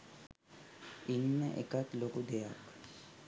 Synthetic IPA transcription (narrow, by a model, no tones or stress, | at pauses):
inːə̰ʔḛkat̪lokud̪ejak